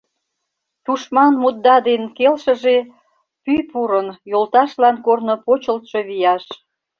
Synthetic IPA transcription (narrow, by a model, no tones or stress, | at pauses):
t̪uʃmɑnmut̪̚ːɑd̪enkelʃə̆ʒe | pyjpuɾənjolt̪ɑʃlɑnkornopot͡ɕəlt̪ʃoβijɑʃ